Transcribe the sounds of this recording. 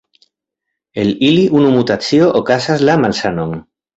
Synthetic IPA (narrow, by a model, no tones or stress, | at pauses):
eliliʔunumut̪at͡sioʔokasazlamalsanoŋ